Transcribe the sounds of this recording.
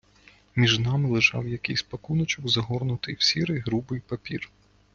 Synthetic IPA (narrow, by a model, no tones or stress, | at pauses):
mʲiʒnɑmɪlˠɪʒɑ̰wjɐkɪjsʲpɐkunɔt͡ʃɔkzɐɦɔrnʊt̪ɪjwsʲiɾɪjɦɾubɪjpɐpʲir